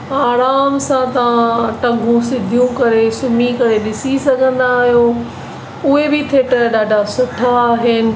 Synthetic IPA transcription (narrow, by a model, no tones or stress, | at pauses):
aːɾaːmsãt̪ɐʋãʈɐ̃ɡʱũsɪd̪ʱijũkɐɾesʊmikɐɾeɗɪsisɐɡʱə̃nd̪aːɦijoː | ʊɦebɪt̪ʰeːʈəɗaːɖʱasʊʈʰaːɦɪnɪ̆